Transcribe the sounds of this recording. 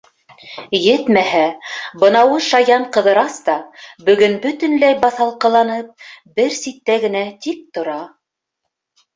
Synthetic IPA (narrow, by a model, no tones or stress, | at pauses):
jɘt̪mæhæbɤ̆nɑwɤʃɑjɑɴqɤ̆ðɤ̆ɾɑst̪ɑbɵ̆ɡɵnbɵ̆t̪ɵ̆nlæjbɑθɑlˠqɤ̆lˠɑnɤp̚bɘɾsit̪ːæɡɘ̆næt̪ik̚t̪ŏɾɑ